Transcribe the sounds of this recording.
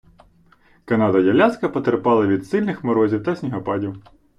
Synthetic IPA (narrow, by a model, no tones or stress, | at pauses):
kɐnɑd̪ɐjʲɐlʲaskɐpɔt̪eɾpɑlˠɐʋʲid̪sɪlʲnɪxmɔɾɔzʲiwt̪ɐsʲnʲiɦɔpɑdʲiw